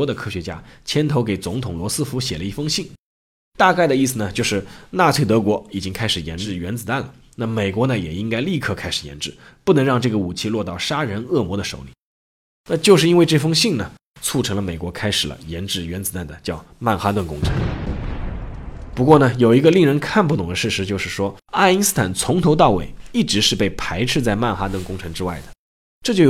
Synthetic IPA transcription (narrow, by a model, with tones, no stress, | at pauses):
ɔ˥d̪ə˨kʰɤ˥ɕɥɛ˧˥t͡ɕja̰˥t͡ɕʰjɛ˥nt̪ʰo˧˥ʊke˨˩ɪt͡sʊ˧˥ŋt̪ʰʊ˨˩ŋlwɔ˧˥sɹ̩˥fu˧˥ɕjɛ˨˩lə˦i˥˩fɤ˥ŋɕi˥˩ŋ | t̪a˥˧ka˥˩ɪd̪ə˩i˥˩sɹ̩˩nə˩t͡ɕjo˥˧ʊʂɻ̩˥˩na˥˧t͡sʰwe˥˩ɪt̪ɤ˧˥kwɔ˧˥i˨˩t͡ɕi˥ŋkʰa˥ɪʂɻ̩˨˩jɛ̰˧˥nʈ͡ʂɻ̩˥˩ɥɛ˧˥nt͡sɹ̩˨˩t̪a˥˩nlə˩ | na˥˩me˨˩ɪkwɔ˧˥nə˨jɛ˨˩i˥ŋka˥ɪli˥˧kʰɤ˥˩kʰa˥ɪʂɻ̩˨˩jɛ̰˧˥nʈ͡ʂɻ̩˥˩pu˥˩nɤ˧˥ŋɻɑ˥˧ŋʈ͡ʂɤ˥˩ɡə˩u˨˩t͡ɕʰi˥˧lwɔ˥˧t̪ɑ˥˩ʊʂa˥ɻə˧˥nɤ˥˩mwɔ˧˥d̪ə˧ʂo˧˥ʊli˨˦ | na˥˧t͡ɕjo˥˧ʊʂɻ̩˥˩i˥nwe˧ɪʈ͡ʂɤ˥˩fɤ˥ŋɕi˥˩ŋnə˩ | t͡sʰu˥˩ʈ͡ʂʰɤ˧˥ŋlə˧me˨˩ɪkwɔ˧˥kʰa˥ɪʂɻ̩˨˩lə̰˦jɛ˧˥nʈ͡ʂɻ̩˥˩ɥɛ˧˥nt͡sɹ̩˨˧˩t̪a˥˩nd̪ə˩t͡ɕjɑ˥˩ʊma˥˩nxa˥t̪wə˥˩nkʊ˥ŋʈ͡ʂʰɤ̰˧˥˦ŋ | pu˧˥kwɔ˥˩nə˩jo˨˩ʊi˧˥ɡə˧li˥˩ŋɻə˧˥nkʰa˥˧np̬u˥t̪ʊ˨˩ŋd̪ə˦ʂɻ̩˥˩ʂɻ̩˧˥t͡ɕjo˥˧ʊʂɻ̩˥˩ʂwɔ˥a˥˩i˧˥nsɹ̩˥t̪ʰa˨˩nt͡sʰʊ˧˥ŋt̪ʰo˧˥ʊt̪ɑ˥˩ʊwḛ˨˩ɪi˥˩ʈ͡ʂɻ̩˧˥ʂɻ̩˥˧pe˥˩ɪpʰa˧˥ɪʈ͡ʂʰɻ̩˥˧t͡sa˥˧ɪma˥˩nxa˥t̪wə˥˩nkʊ˥ŋʈ͡ʂʰɤ˧˥ŋʈ͡ʂɻ̩˥wa˥˩ɪd̪ə˩ | ʈ͡ʂɤ˥˩t͡ɕjo˥˩